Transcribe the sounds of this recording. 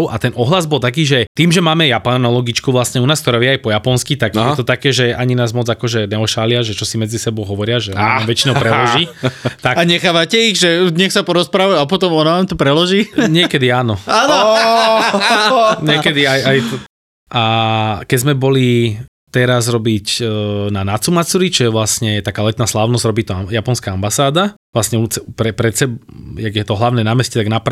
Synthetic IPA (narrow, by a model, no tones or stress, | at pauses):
ʊʔa̰t̪ɛnɔɦlazbɔlt̪akiːʒɛt̪iːmʒɛmaːmɛjapanɔlɔɡit͡ʃkuʋlasɲɛunaːskt̪ɔɾɛːʋjɛajpɔjapɔnskit̪aɡjɛt̪ɔt̪akɛːʒɛaɲinaːzmɔd͡zakɔʒɛnɛɔʃalɪaʒɛt͡ʃɔsimɛd͡zisɛbɔʊɦɔʋɔɾɪaʒɛɔ̰naamʋɛt͡ʃinɔpɾɛlɔʒit̪akaɲɛxaːʋacɛiɣʒɛd̪ɲɛxsapɔɾɔspɾaːʋajuap̬ɔt̪ɔmɔnaʋaːmt̪ɔpɾɛlɔʒiːɲɪɛkɛd̪iaːnɔaːnɔ | ɲɪɛkɛd̪iajaj | ʔakɛɟzmɛbɔli | t̪ɛɾazɾɔbicnanat͡sumat͡suɾit͡ʃɔjɛʋlasɲɛɛt̪akaːlɛt̪naːslaːʊnɔzɟɾɔbiːt̪ɔajapɔnskaambasaːd̪aʋlasɲɛuːt͡sɛpɾɛpɾɛsɛbjaɡjɛt̪ɔɦlaʊnɛːnaːmɛscɛt̪aɡnap